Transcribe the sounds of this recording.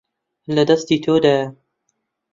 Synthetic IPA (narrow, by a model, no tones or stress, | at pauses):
lɐd̪ɐst̪iːt̪ʰoːd̪aːjɐ